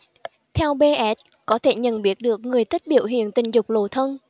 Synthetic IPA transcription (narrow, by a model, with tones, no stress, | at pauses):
t̪ʰɛ˧wɓe˧ʔɛ˨˦˥t̚ | kɔ˨˦t̪ʰe˧˩ɲə̰˧˨nɓi˨˦˥ət̚ɗɨ˨˩ək̚ŋɨ˨˩əjt̪ʰi˦˥k̚ɓḭ˧˨əwɦḭ˧˨ənt̪ï˨˩ŋ̟zʊ˨˩k͡p̚lo˨˩t̪ʰə˧n